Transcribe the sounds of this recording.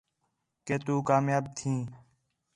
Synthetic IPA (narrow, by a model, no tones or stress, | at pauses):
keːt̪uːkaːmjaːb̚t̪ʰĩː